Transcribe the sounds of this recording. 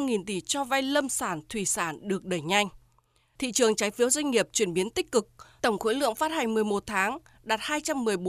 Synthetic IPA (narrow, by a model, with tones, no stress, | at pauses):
ŋi˨˩nt̪i˧˩t͡ɕɔ˧va˧jlə˧msaː˧˩nt̪ʰwi˧˩saː˧˩nɗɨ˨˩ək̚ɗəː˧˩jɲa˧jŋ̟ | t̪ʰḭ˧˨t͡ɕɨ˨˩əŋt͡ɕaː˨˦jfi˨˦əwzwa˧jŋ̟ŋːi˨˩əp̚t͡ɕwi˧˩ənɓi˨˦ənt̪ï˦˥k̟̚kɨ˨˩k̚t̪ə˧˩wŋ͡mxo̰˧˥jlɨ̰˧˨əŋfaː˦˥t̚ha˨˩jŋ̟mɨ˨˩əjmo˨˩t̚t̪ʰaː˨˦ŋ | ɗaː˨˩t̚haː˧jt͡ɕa˧mːɨ˨˩əjɓo˨˦